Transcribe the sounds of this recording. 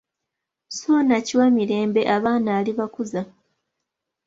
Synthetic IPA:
soːnaciwamiɾe̞ːmbe̞ʔaβaːnaːliβakuza

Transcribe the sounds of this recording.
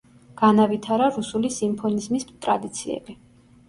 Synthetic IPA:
ɡ̥anavit̪ʰaɾaɾusulisimpʰɔnizmist̪ʼɾad̪it̪sʰiɛ̰bi

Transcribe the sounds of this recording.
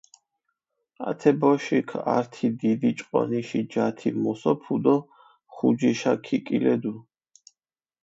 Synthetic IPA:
at̪ʰɛbɔʃikʰaɾt̪ʰid̪id̪it͡ʃʼqʼɔ̰niʃid͡ʒat̪ʰimɔsɔpʰud̪ɔ | χud͡ʒiʃakʰikʼilɛd̪u

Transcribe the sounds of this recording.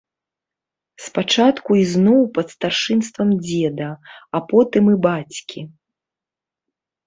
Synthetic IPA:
spat͡ʂat̪kuiznɔwpɐt̪st̪arʂɨnst̪vɐmd͡zʲɛd̪ɐapɔt̪ɨmɨbat͡sʲkʲi

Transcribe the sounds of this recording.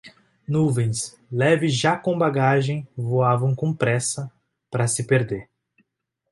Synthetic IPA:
nuvẽj̃s | lɛvɪʒakõbaɡaʒẽj̃voavɐ̃w̃kõpɾɛsɐ | pɾɐsɪpeɾd̪eɾ

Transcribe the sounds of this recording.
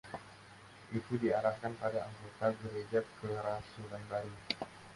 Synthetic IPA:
ʔit̪udiaɾahkanpadaʔaŋket̪aɡəɾed͡ʒat̪̚kəɾasulajbaɾi

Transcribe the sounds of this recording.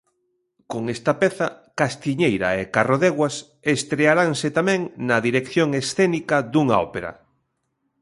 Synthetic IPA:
koŋest̪ɐpɛθɐkast̪iɲejɾɐ̰ekaroðeɣwas | est̪ɾeaɾaŋset̪amɛ̃ŋnɐðiɾekθjoŋesθɛnikɐd̪uŋaɔ̰peɾɐ̰

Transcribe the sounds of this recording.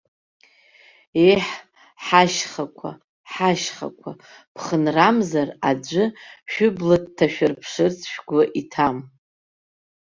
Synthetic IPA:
eħ | ħaʃχakʷʰa̰ | ħaʃχa̰kʷʰa | pʰχənramzarad͡ʒʷɨʃᶣʊblad̚tʰːaʃᶣarpʰʂɨrt͡sʰʃᶣɡʷaʔitʰam

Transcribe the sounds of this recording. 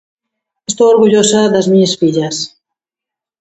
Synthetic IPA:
est̪owoɾɣuʎosaðɐzmiɲɐsfiʎɐs

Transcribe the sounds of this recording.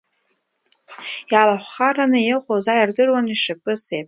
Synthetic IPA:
jalaħʷχaranɨjeqʷʼozajardɨrwaniʂɨpʼɨsejpʼ

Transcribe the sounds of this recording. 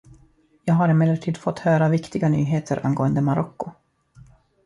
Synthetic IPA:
jɑːɡɦaɾɪmeːlːəʈʰiːd̪fɔt̪ːhœːɾavɪkt̪ɪɡany̰ːɦeːt̪ʰəɾʔa̰nɡoːənd̪əmaɾɔkːʊ

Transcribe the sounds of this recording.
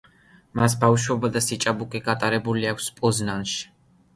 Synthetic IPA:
mas̬bafʃwɛbad̪asit͡ʃʼabukʼiɡat̪ʼaɾɛbuliakʷʰspʼɔznanʃi̥

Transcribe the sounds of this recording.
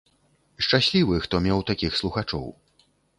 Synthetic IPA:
ʂt͡ʂasʲlʲivɨxt̪ɔmʲɛwt̪akʲixslˠuxat͡ʂɔ̰w

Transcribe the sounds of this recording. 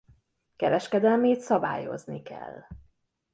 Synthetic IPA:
kɛɾɛʃkɛd̪ɛlmeːt̪sɒba̰ːjo̞̰znikɛ̰l

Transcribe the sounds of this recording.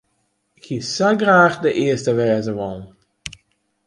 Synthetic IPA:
ɪkhisaɡraːxdəʔɪəstəʋɛːzəʋɔl

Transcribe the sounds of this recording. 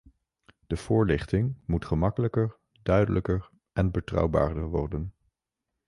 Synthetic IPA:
d̥əv̥ʊːɹlɪχtɪŋmutχəmɑkələkəɹ | dœɥdələkəɹ | ʔɛnbətrɑ̰wba̰ːɹdəɹʋɔ̰rdən

